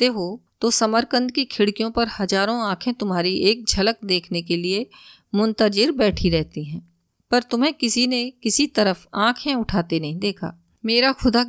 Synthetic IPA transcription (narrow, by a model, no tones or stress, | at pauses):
t̪eɦot̪osɐməɾkə̃nd̪kikʰɪɽkijõpɐɾhɐzaːɾõãːkʰẽt̪ʊmɦaːɾiʔeːk̚d͡ʒʱɐlək̚d̪eːkʰnekelie | mʊ̃nt̪əd͡ʒɪɾbɛːʈʰiɾɛɦt̪iɦɛ̃ː | pɐɾt̪ʊmɦẽkɪsinekɪsit̪ɐɾəfãːkʰẽʊʈʰaːt̪enɐɦĩd̪eːkʰa̰ː | meːɾaxʊd̪a